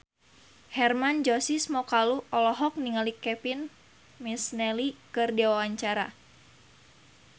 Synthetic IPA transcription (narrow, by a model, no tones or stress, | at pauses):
hɛrmand͡ʒɔsismɔkaluʔɔlɔɦɔk̚niŋalikɛpin | misnɛlikɨrdiwawaɲt͡ʃaɾa̰